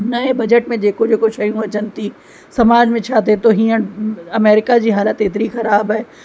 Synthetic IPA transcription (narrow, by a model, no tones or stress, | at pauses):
nɐebɐd͡ʒəʈmẽd͡ʒeːkod͡ʒoːkoʃɐjũɐt͡ʃɐnt̪i | sɐmaːd͡ʒmẽt͡ʃʰaːt̪̬et̪oɦijãɐmeːɾɪkad͡ʑiɦaːlət̪eːt̪ɾixɐɾaːbɦɛː